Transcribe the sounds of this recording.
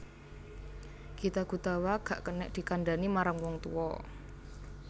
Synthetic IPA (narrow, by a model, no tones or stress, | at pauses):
kit̪aɡ̥ṳt̪awaɡ̥a̤ʔkənɛʔd̪̥i̤kanɖanimaɾaŋwɔŋt̪ṵɔ